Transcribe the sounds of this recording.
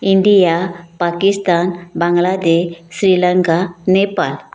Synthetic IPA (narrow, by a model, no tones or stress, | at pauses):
iɳɖijapakist̪anbaŋɡlad̪eɕɕɾiləŋkanepa̰l